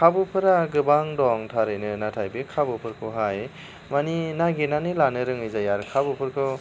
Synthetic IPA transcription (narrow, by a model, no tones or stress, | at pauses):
kʰabɯpʰɯɾaɡɯbaŋdɔŋtʰaɾɯjnɯnatʰajbekʰabɯpʰɯɾkʰɯɦaj | maninaɡenanɯlanɯɾɯŋɯjzajaɾkʰabɯpʰɯɾkʰɯ